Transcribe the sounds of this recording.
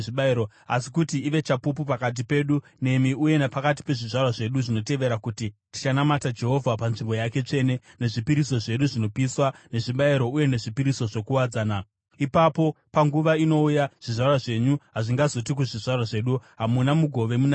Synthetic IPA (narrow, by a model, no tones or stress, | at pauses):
ʐiɓaiɾo | a̰si̥kutiːʋe̞t͡ʃapupupakat̬ipe̞ːɗu | ne̞miuje̞nepakat̬i̥pe̞ʐiʐarwaʐe̞ɗuʐino̞te̞ʋe̞ɾakutiti̥t͡ʃanamatad͡ʒe̞ɦo̞vʱapanʐimbo̞jake̞t͡ʂe̞ne̞ne̞ʐipiɾiso̞ʐe̞ɗuʐino̞piswane̞ʐiɓaiɾo̞uje̞ne̞ʐipiɾiso̞ʐo̞kuwad͡zaːna | ipapo̞paŋɡuʋaino̞ujaʐ̥iʐarwaʐe̞ɲuɦaʐiŋɡazo̞t̬ik̬uʐiʐarwaʐe̞ɗuɦamunamuɡʱo̞ʋe̞muna